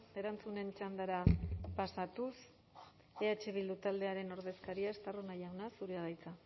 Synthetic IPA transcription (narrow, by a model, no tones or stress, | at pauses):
e̞ɾant͡sune̞nt͡ʃand̪aɾapasat̪us | eat͡ʃe̞βild̪ut̪ald̪e̞aɾe̞no̞ɾð̞e̞skaɾiaest̪aronajawnasuɾeaðajt͡sa